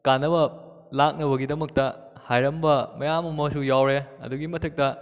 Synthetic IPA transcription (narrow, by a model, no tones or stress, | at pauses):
kanːɐbɐ | lak̚nɐbɐɡidɐmɐk̚tɐ | hajɾɐmbɐmɐjamɐmɐsujawɾeɐ̰duɡimɐtʰɐk̚tɐ